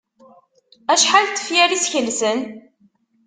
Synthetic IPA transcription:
æʃħalt̪ːə̥fjæɾisçəlːsən

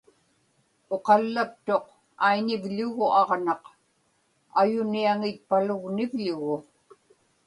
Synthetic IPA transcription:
o̞qɑlːapt̪o̞q | aiɲɪvʎʊɣʊʔɑʁnɑq | ajʊniaŋɪt̪̚palʊɣnɪvʎʊɣʊ

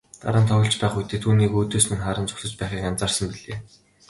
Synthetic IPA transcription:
t̪a̰ɾə̆nt̪ʰɔɣɞ̆ɬt͡ɕpæːχujt̪eːt̪ʰuːniːkuːt̪oːsmɘ̆nχaːɾə̆nt͡sʊ̥xsə̆t͡ɕpæːχiːkant͡saːrsə̆mpiɮeː

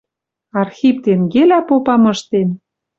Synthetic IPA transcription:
ɑrxʲip̚t̪enɡelæpopɑmɤʃt̪en

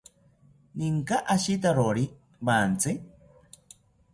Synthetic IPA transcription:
niŋkaʔaʃit̪̬aɾoɾi | baːnt͡sɨ

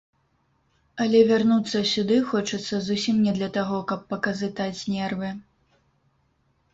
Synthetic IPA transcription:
ɐlʲɛvʲarnut̪sːɐsʲud̪ɨxɔt͡ʂɐt̪sːɐzusʲimnʲɛd̪lʲɐt̪aɣɔkɐpːɐkɐzɨt̪at͡sʲnʲɛrvɨ

